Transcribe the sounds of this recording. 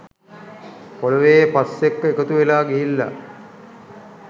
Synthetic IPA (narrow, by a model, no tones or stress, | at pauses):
koləʋejpasːekːəekət̪uʋelaːɡiɦilːa̰